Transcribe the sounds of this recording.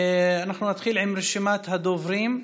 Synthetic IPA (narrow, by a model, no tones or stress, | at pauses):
anaħnunat̪xiːlʕɪmɾeʃɪmaːt̪had̪ovɾiːm